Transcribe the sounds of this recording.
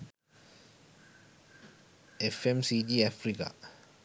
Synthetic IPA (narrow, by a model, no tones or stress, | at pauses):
ɛfɛmsid͡ʒiafɾika̰